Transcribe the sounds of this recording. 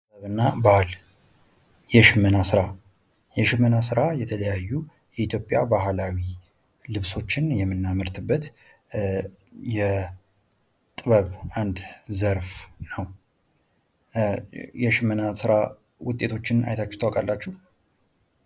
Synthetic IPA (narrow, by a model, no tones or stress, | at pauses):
əβɨnːabahl | jɛʃɪmːənasɨɾa | jɛʃɪmːənasɨɾajɛt̪ʰələjajːu | jɛit̪ʰjo̞pʼːjabaɦlawi | lɨβso̞t͡ʃːɪnjɛmːɨnːaməɾt̪ʰɨbːət̪ | jɛ | t̪ʼɨβəβand̪zəɾfnəw | jɛʃɪmːənasɨɾa | wʊt̪ʼːe̞t̪ʰo̞t͡ʃːɪna̰jt̪ʰat͡ʃːu̥t̪ʰawakʼalːat͡ʃːuh